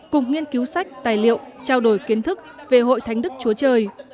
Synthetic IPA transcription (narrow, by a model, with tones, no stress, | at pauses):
kʊ˨˩ŋ͡mŋi˧ənki˨˦wsa˦˥jk̟̚t̪aː˨˩jlḭ˧˨əwt͡ɕaː˧wɗo˧˩jki˨˦ənt̪ʰɨ˦˥k̚ve˨˩ɦo̰˧˨jt̪ʰa˨˦jŋ̟ɗɨ˦˥k̚t͡ɕu˨˦ət͡ɕəː˧˩j